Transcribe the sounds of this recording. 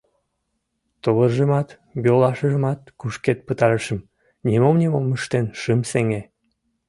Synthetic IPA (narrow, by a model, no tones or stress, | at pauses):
t̪oβərʒəmɑt̪ | bolɑʃəʒəmɑt̪kuʃket̪̚pət̪ɑɾəʃəm | nʲimomnʲimoməʃt̪enʃɨmseŋe